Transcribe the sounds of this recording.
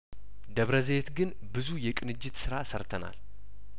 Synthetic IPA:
d̪əβɾəze̞t̪ɡɨn | bɨzujɛkʼɨnɨd͡ʒːɪt̪sɨɾasəɾt̪ʰəna̰l

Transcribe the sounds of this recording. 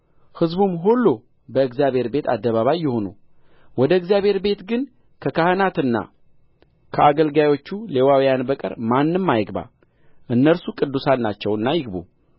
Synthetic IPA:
hɨzbumɦolːo | bəɨɡzjaβhe̞ɾbe̞t̪ʰa̰d̪ːəβaβajːɪho̞nu | wɔd̪əɨɡzjaβhe̞ɾbe̞t̪ɡɨn | kʰəkahənat̪ɨnːa̰ | kʰəaɡəlɡajo̞t͡ʃːule̞wawijanbəkʼə̰ɾmanːɨmːajɪɡba̰ | ʔɨnːəlsukʼɨd̪ːusanːat͡ʃːɛwɨnːajɪɡbṵ

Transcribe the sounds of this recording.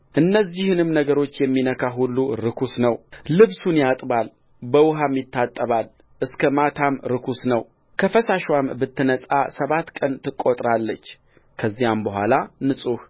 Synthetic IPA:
ʔɨnːəzihɨnɨmnəɡəɾo̞t͡ʃːjɛmːinəkʰaɦulːuɾɨkʰusnəwlɨβsunjat̪ʼbal | bəwʊɦamjɪt̪ːat̪ʼːəβal | ʔɨskʰəmat̪ʰamɾɨkʰusnəw | kʰəfəsaʃwambɨt̪ːɨnəsʼa̰səβat̪ːkʼənt̪ɨkʼːot̪ʼɾalːət͡ʃː | kʰəzːijambəɦʷwʷa̰lanɨsʼuh

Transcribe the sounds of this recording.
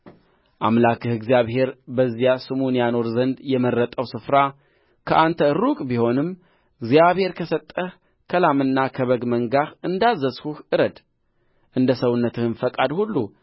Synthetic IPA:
ʔamlakʰɨhɨɡzijaβhe̞ɾbəzːijasɨmunjano̞ɾzənd̪jɛmərːət̪ʼəwsɨfɾa | kʰəʔant̪ʰəɨɾukʼbiho̞nɨmː | ʔɨɡzijaβhe̞ɾkʰəsət̪ʼːəh | kʰəlamɨnːakʰəβəɡməŋɡaxɨnd̪azːəshuhʔɨɾəd̪ | ʔɨnd̪əsəwʊnːət̪ʰɨhɨnfəkʼad̪hulːu

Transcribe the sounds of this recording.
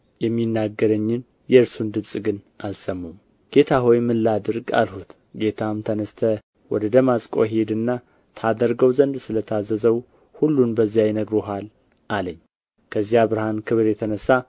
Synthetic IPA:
jɛmːinːaɡːəɾəɲːɪn | jɛɨɾsund̪ɨβsʼɡɨn | alsəmːum | ɡ̥e̞t̪ʰaɦo̞jmɨlːad̪ɨɾɡa̰lhut̪ | ɡe̞t̪ʰamt̪ʰənəst̪ʰə | wɔd̪əd̪əmasʼkʼo̰ɦed̪ɨnːa | t̪ʰad̪əɾɡəwzənd̪sɨlət̪ʰazːəzəw | hulːunbəzːijajɪnəɡɾoɦal | ʔaləɲː | kʰəzːjaβɨɾhankʰɨβɾjɛt̪ʰənəsːa

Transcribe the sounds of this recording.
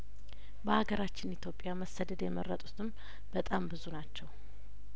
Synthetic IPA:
bəhaɡəɾat͡ʃːɪnit̪ʰjo̞pʼjaməsəd̪əd̪jɛmərːət̪ʼut̪ʰɨm | b̥ət̪ʼambɨzunat͡ʃːɛw

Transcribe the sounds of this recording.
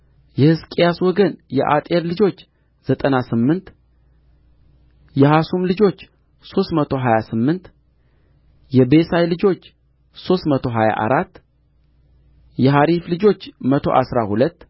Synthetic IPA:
jɛhɨskʼijaswɔɡənjɛ̰ʔa̰t̪ʼeɾlɨd͡ʒo̞t͡ʃː | z̥ət̪ʼənasɨmːɨnt̪ | jɛɦasumlɨd͡ʒo̞t͡ʃː | so̞st̪mət̪ʰo̞ɦajasɨmːɨnt̪ | jɛbe̞sajlɨd͡ʒo̞t͡ʃː | so̞st̪mət̪ʰo̞ɦaja̰ʔa̰ɾat̪ː | jɛɦaɾiflɨd͡ʒo̞t͡ʃːmət̪ʰo̰ʔasɾahulət̪ː

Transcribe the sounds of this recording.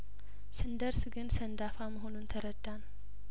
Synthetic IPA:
sɨnd̪əɾsɡɨnsənd̪afaməɦonunt̪ʰəɾəd̪ːan

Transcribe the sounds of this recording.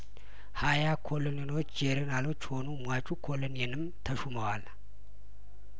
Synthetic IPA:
hajakʰolonjenot͡ʃːd͡ʒeɾɨnalot͡ʃːhonumʷat͡ʃʼukʰolonenɨmt̪ʰəʃuməwal

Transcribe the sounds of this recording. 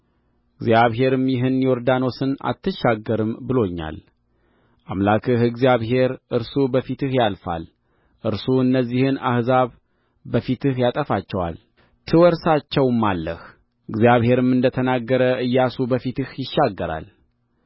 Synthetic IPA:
ɨɡzijaβɦe̞ɾɨmjɪɦɨnjoɾd̪ano̞sɨna̰t̪ʰːɨʃːaɡːəɾɨmbɨlo̞ɲːa̰l | ʔamlakʰɨhɨɡzijaβɦe̞ɾʔɨɾsubəfit̪ʰɨhjalfa̰l | ʔɨɾsuɨnːəzːihɨna̰hzaβ | bəfit̪ʰɨhjat̪ʼəfat͡ʃːɛwa̰l | t̪ʰɨwɔɾsat͡ʃːɛwmːalːəh | ɨɡzijaβhe̞ɾɨmɨnd̪ət̪ʰənaɡːəɾəɨjːasubəfit̪ɨhjɪʃːaɡːəɾa̰l

